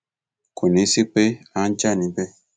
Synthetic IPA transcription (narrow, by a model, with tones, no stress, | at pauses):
kʰo˨nĩ˨˦si˦k͡pe˦ã˦n˦t͡ʃa˦˨nĩ˨˦bɛ˦